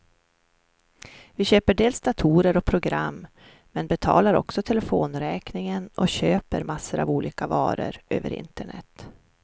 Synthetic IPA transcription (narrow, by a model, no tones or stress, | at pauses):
vɪɕøːpəɖeːlsd̪at̪ʰuːɾəɾɔpʰɾʊɡɾamː | mɛnbɛt̪ʰɑ̰ːlaɾɔ̰ksɔt̪ʰɛlɛfoːnɾɛːknɪŋənʔɔɕøːpəɾmasːəɾa̰vuːliːkavɑ̰ːɾə̰ɾʔø̰ːvə̰ɾɪ̰nt̪əɳɛ̰t̪ː